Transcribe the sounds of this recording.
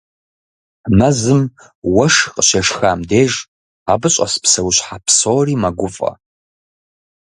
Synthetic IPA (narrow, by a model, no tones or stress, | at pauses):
mɐzɨm | wɐʂxʼəɕeʂxaːmdeːʒ | abɨɕʼɐ̰spsɐwʊɕħapʰsoːriːmaɡʷʊfʼɐ̰